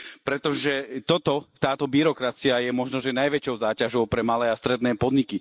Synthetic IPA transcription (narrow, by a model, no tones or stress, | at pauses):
pɾɛt̪ɔʒɛt̪ɔt̪ɔt̪aːt̪ɔbiɾɔkɾat͡siajɛmɔʒnɔʒɛnajʋɛt͡ʃɔʊzaːcaʒɔʊpɾɛmalɛːast̪ɾɛd̪nɛːpɔd̪ɲiki